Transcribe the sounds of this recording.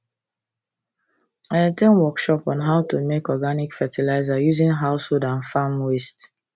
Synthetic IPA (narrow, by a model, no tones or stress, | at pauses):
atẽnwɔkʃɔpɔ̃nɦaʊtumekɔɡanikfɛtʰilaɪzajuzĩnɦaʊsholdãnfamwest